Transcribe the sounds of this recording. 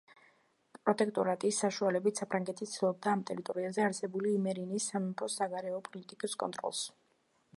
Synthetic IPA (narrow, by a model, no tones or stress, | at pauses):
pʼɾɔt̪ʼɛkʰt̪ʼɔɾat̪ʼisːaʃualɛbit̪sapʰɾaŋɡɛt̪ʰit̪sdilˠɔb̚d̪aːmt̪ʼɛɾit̪ʼɔɾiazɛaɾsɛbuliːmɛɾinisːamɛpʰɾɔsaɡaɾɛɔpʼɔlit̪ʼikʼiskʼɔ̰nt̪ʼɾɔ̰lˠs